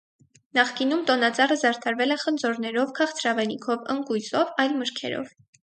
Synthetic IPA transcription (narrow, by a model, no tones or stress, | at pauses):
nɑχkinumt̪ɔnɑt͡sɑrəzɑɾt̪ʰɑɾvɛlɛχənd͡zɔɾnɛɾɔvkʰɑχt͡sʰɾɑvɛnikʰɔvəŋkujzɔvɑjlməɾkʰɛ̰ɾɔ̰v